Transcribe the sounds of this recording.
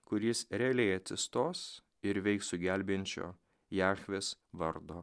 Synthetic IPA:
kʊɾʲɪsɾʲɛɐlʲɛɪɐt̪ʲsʲɪst̪oːs | ɪɾʋʲɛɪksʊɡʲæˑlʲbʲenʲt͡ʃʲo̰ː | jæːxʲʋʲeːsʋɐɾd̪oː

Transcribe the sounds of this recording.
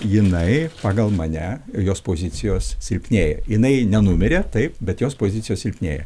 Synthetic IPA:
jɪnɐɪpɑːɡɐlˠmɐnʲɛjoːspoːzʲɪt̪sʲɪjoːssʲɪlʲpʲnʲeːjɛjɪnɐɪnʲɛnʊmʲɪɾʲeːt̪ɐɪpbʲɛt̪joːspoːzʲɪt̪sʲɪjoːsʲɪlʲpʲnʲeːjɛ̰

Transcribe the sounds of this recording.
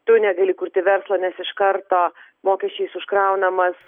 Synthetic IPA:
t̪ʊnʲɛɡɐlʲɪkuɾʲt̪ʲɪʋʲɛɾslˠoːnʲɛsɪʃkɐɾt̪oːmoːkʲɛʃʲt͡ʃʲɛɪsʊʃkɾɐʊnɐmɐs

